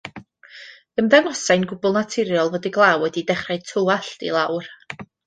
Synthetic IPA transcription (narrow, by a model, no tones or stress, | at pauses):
ənðɛnɔsajnɡʊbɔlˠnatʰɪɾjɔlˠvədiɡlˠawɛdidɛχraj̚tʰuaɬdḭlˠawr